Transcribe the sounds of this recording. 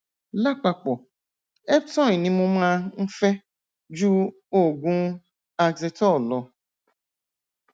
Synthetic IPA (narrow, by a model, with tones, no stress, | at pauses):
la˦k͡pa˨k͡pɔ˨ | ɛ˦b̚tɔ̃˦i˨nĩ˧mũ˦m˦ã˧˦n̩˦fɛ˦ | d͡ʒu˦ | o˦˨ɡũ˦ | a˧ɡze˧tɔ˦˨lɔ˨